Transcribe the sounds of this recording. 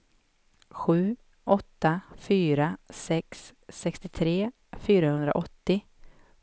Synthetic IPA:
ɧʉ̟ː | ʔɔt̪ːafyːɾasɛksːɛkst̪ɪt̪ʰɾeː | fyːɾahɵnd̪ɾa̰ʔɔt̪ːɪ

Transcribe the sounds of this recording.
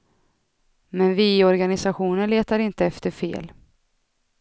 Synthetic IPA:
mɛnvɪɔɾɡanɪsaɧuːnəɳleːt̪aɾɪnt̪əɛft̪əɾfḛːl

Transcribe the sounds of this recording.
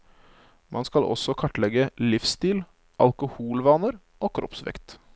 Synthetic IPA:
mʔɑnskɑlʔɔ̰sɔkʰɑʈːlɛɡəlɪfst̪iːl | ʔɑlkʊhuːlʋɑːnəɾ | oːkʰɾʔɔ̰psʋɛ̰kt̪

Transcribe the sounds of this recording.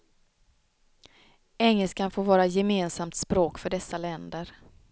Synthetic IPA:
ɛŋːɛlskanfoːɾvɑːɾajɛmeːnsamt̪spɾoːkfœɖɛsːalɛnd̪əɾ

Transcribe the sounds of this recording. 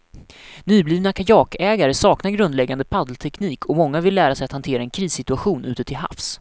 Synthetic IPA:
nyːbliːvnakʰajɑːkɛːɡaɾəsɑːknaɾɡɾɵnd̪lɛɡːand̪əpʰad̪lt̪ʰɛkniːkʰɔmɔŋːavɪlːæːɾasɛjat̪hant̪ʰeːɾaɛnkʰɾiːsːɪt̪ɵaɧuːnʉ̟ːt̪ət̪ʰɪlɦa̰fs

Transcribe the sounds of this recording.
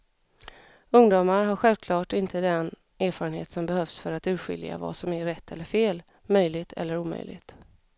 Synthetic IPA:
ɵŋd̪uːmaɾɦaɾɧɛlvkʰlɑːʈɪnt̪ʰəd̪ɛn | ʔæːɾfɑːɾənhḛːt̪sɔmbɛhœfsfœɾat̪ʉ̟ːɧɪ̰lja̰va̰sɔmæɾɛt̪ʰːɛlːəɾfeːl | mœjlɪɡt̪ʰɛ̰lːəɾuːmœ̰jlɪ̰ɡt̪

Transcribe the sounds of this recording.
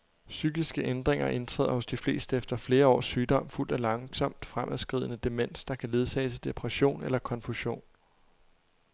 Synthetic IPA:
syːɡ̥isɡ̥əʔend̥ʁeŋɐʔe̝nt͡sʰʁɛ̰ːð̰ˠɐhɔ̽sd̥ifle̝̰ːsd̥əefd̥ɐfle̝ːɐɒ̰ːsːyːd̥ɒ̽m̰ful̰d̥ælɑ̈ŋsɒ̽m̰d̥fʁamʔæðˠsɡ̥ʁḭð̞̰ˠənəd̥e̝men̰sd̥ɑ̈kʰæle̝ð̞ˠsʰɛ̰ːsəd̥e̝pʰʁɛɕo̝̰ːnelɐkʰɒ̽nfuɕo̝̰ːn

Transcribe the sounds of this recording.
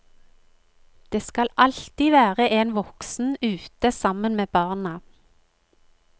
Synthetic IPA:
d̪̥eːskɑlʔɑlt̪iːʋæːʁəʔeːnʋɔksn̩ʉːt̪əsɑmənmeːbɑːʁnɑ

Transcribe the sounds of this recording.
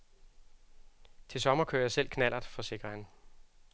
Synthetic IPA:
t͡sʰe̝lsɒ̽mɐkʰø̰ɐjɑsel̰kʰnæl̰ʔɐðˠfɒ̽se̝ɡ̥ʁɐn

